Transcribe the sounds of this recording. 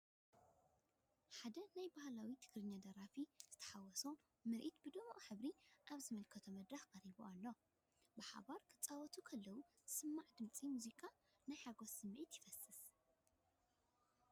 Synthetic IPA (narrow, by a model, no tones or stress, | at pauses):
ħad̪ɐnajbahlawit̪ʰɨ̥ɡɾɨɲːad̪ɐɾafizɨt̪ʰɐ̥ħawɔso | mɨɾʔit̪bɨd̪omʔħɨβɾiʔaβzɨmɐlkʰɐt̪ʰomɐd̪ɾaxkʼɐɾibuʔalːo | bɨħa̰baɾkʰɨt͡sʼawɔt̪ʰukʰɐlːɐwu | sɨmːaʕd̪ɨmt͡sʼimuzikʼa | najħaɡosɨmːʔit̪jɪfɐsɨs